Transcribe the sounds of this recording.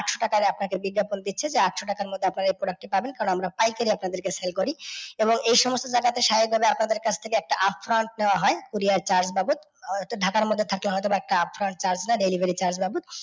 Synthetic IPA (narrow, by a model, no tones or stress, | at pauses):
aʈʃoʈakaɾeap̚nakebiɡːapond̪it̪ːɕʰed͡ʑeaʈʃoʈakaɾmod̪ʱːeapnaɾaejpɾoɖak̚ʈipabenkaɾonamɾapajkeɾiapnad̪eɾkeselkoɾieboŋejʃɔmost̪od͡ʑaɡat̪eʃajik̚bʱabeapnad̪eɾkat͡ɕʰt̪ʰekeɛk̚ʈaʔapʰːɾaɳʈ̚neoaɦɔekuɾiaɾt͡ɕaɾd͡ʑbabut̪ | tɖʱakaɾmod̪ʱːet̪ʰakloɦɔet̪ɔbaɛk̚ʈaapʰfɾaɳʈt͡ɕaɾd͡ʑnaɾelibʱeɾit͡ɕaɾd͡ʑbabut̪̚